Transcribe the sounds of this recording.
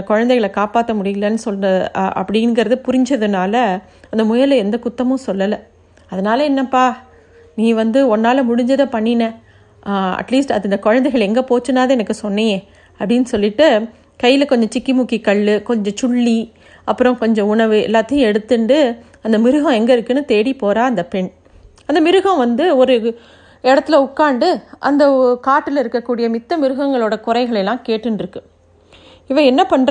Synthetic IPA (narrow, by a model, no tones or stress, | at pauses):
nɐkɔɻɐnd̪ɛɪɣɐɭkaːpaːt̪ːɐmʊɽɪjɪlɐnːɯsɔlnɐðʔɐ̰pːɐɽɪɪnɡɐɾɐðɯpʊɾɪɲd͡ʒɐðɯnaːlɐ | ɐnd̪ɐmʊjɐlɛnd̪ɐkʊt̪ːɐmʊ̃sɔlːɐlɐ | ɐðɐnaːlɐɛnːɐpaː | nĩːʋɐnd̪ɯɔnːaːlɐmʊɽɪɲd͡ʒɐðɯpɐɳːɪnɐ | ɐ̰ʈliːsʈɐɪnd̪ɐkɔɻɐnd̪ɛɪɣɐɭɛŋɡɐpoːt͡ʃːɯnaːðɐɛnɐkːɯsɔnːɐjẽ | ɐpːɐɽɪnːɯsɔlːɪʈːɯ | kɐjːɪlɐkɔɲd͡ʒɔ̃t͡ʃɪkːimʊkːikɐɭːɯkɔɲd͡ʒɔ̃t͡ʃʊɭːi | ɐpːɯɾɔ̃kɔɲd͡ʒɔ̃ʊɳɐʋɯɛ̰lːaːt̪ːɪjʊ̃ɛɽɯt̪ːɯɳɖɯ | ɐnd̪ɐmɪɾɯɣɐ̃ɛŋɡɐɪɾɯkːɯnːɯt̪eːɽipoːɾaːɐnd̪ɐpɛɳ | ɐnd̪ɐmɪɾɯɣɐ̃ʋɐnd̪ɯɔɾɯ | ɛɽɐt̪ːɪlɐʊkːaːɳɖɯʔɐ̰nd̪ɐkaːʈːɯlɪɾɯkːɐkːuːɽɪjɐmɪt̪ːɐmɪɾɯɣɐŋɡɐɭoːɽɐkʊɾɐɪɣɐɭɐlːãːkeːʈːɯnɖɪɾɯkːɯ | ɪʋɐɛnːɐpɐɳɾ